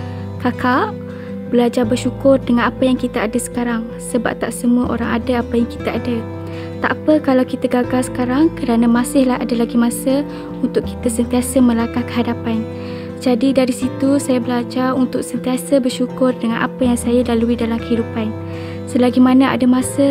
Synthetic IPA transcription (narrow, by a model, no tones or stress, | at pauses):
kaka | bəlad͡ʒarbərʃukʊrdəŋanapajaŋkit̪aadasə̥kaɾaŋ | səba̰p̚t̪aʔsəmuəʔo̰ɾaŋadaapəjaŋkit̪aʔada | t̪a̰ʔpəkalawkit̪aɡaɡalsə̥kaɾaŋkəɾanamasɪhlaɦa̰dalaɡimasə | unt̪ʊʔkːi̥t̪asənt̪iasəmə̃lakahkə̥ɦadapan | d͡ʒadidaɾisit̪usajabəlad͡ʒarunt̪ʊksənt̪iasəbərʃukʊrdəŋanʔa̰pəjaŋsajalaluidalamkəɦidupan | səlaɡimanaʔa̰damasə